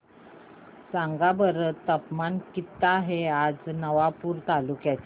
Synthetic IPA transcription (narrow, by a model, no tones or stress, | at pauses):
sãŋɡabəɾt̪əpmankit̪ːaːɦead͡znəʋapuːɾt̪alukjat͡ɕ